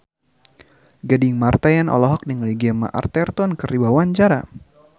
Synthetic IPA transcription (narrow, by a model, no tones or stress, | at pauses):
ɡadɪŋmart̪ajanɔ̰lɔɦɔk̚niŋliɡɛma̰ʔa̰rt̪ɛrt̪ɔnkəɾiwawaɲt͡ʃaɾa